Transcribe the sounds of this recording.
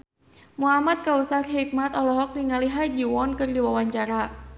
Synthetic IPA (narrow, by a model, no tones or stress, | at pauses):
muɦamat̪̚kausat̪ɦik̚mat̪ɔlɔɦɔk̚diŋaliɦad͡ʒiwɔnkɨrdiwawaɲt͡ʃaɾa